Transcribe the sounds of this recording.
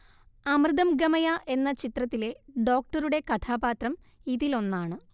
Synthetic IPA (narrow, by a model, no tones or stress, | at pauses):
ɐmrɨd̪ɐmɡɐmɐjaʔe̞nːɐt͡ɕit̪rɐt̪ːile̞ɖo̞ːk̚ʈɐɾuɽe̞kɐt̪ʰaːbaːt̪rɐm | iðilo̞nːaːɳɨ